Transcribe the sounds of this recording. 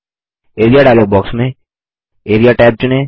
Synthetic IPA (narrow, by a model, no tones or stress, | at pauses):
eːɾijaɖaːjloːɡ̚bɔːksmẽ | eːɾijaʈaːp̚t͡ʃʊnẽː